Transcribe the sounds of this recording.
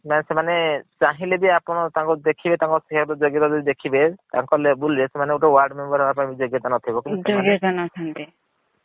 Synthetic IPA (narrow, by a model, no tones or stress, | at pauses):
masemanet͡ʃaɦĩlebiapɔɽ̃ɔt̪ãŋkud̪ekʰibet̪ãŋkɔsikʰakɔɾt̪ɔd͡ʒɔɡjɔt̪ad͡ʒɔbid̪ekʰibet̪aŋkɔlebulesemaneoʈɔwaɾɖmembɔɾɦebapaĩbid͡ʒoɡjɔt̪anɔt̪ʰibɔkioɡjɔt̪anɔt͡ʃʰɔnt̪i